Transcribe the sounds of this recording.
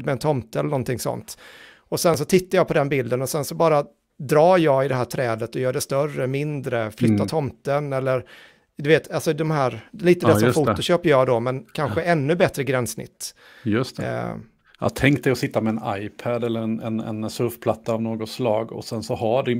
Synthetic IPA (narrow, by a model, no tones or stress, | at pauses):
mɛːnt̪ʰɔmt̪ɛlːəɳnɔnt̪ʰɪŋsɔ̰nt̪ | ɔsɛnsɔt̪ʰɪt̪ːajɑːpʰɔd̪ɛnbɪld̪ənɔsɛnsɔbɑːɾa | d̪ɾɑːjɑːɪd̪ɛɦæːʈ̪ʰɾɛːd̪ət̪ɔjœːɖɛst̪œrːəmɪnd̪ɾəflʏt̪ːatʰɔmt̪ənɛlːəɾ | d̪ɵveːt̪ʰalsɔd̪ɔmɦæːɾliːt̪əd̪ɛsɔmfuːt̪ʊɕøːpəjɑːd̪ɔmɛnkʰanɧəʔɛnːɵbɛt̪ɾəɡɾɛnsnɪ̰t̪ː | jɵst̪ɛ̰ | a̰t̪ʰɛŋk̚d̪ɛɔsɪt̪ːamɛɛna̰jpʰæd̪ɛlːəɾɛnɛ̰nɛ̰nsœɾfpʰlat̪ːaːvnoːɡɔt̪slɑːɡɔ̰sɛnsɔɦaɖɪ